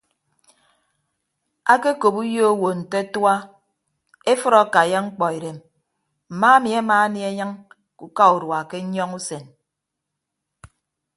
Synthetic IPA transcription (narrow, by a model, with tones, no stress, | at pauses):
a˦ke˦ko˨pu˦jo˦o˦wo˨n̩˨te˦twa˦ | e˦fɨ˦ɾɔ˦˨ka˨ja˦ŋ͡m̩˦k͡pɔ˨i˨ɾe˨m | m̩˨maː˦a˦mi˨a˦maː˦ni˦e˦ɲa˦ŋ | ku˨ka˦u˨ɾwa˨ke˦ɲɔ˦ŋu˦se˨n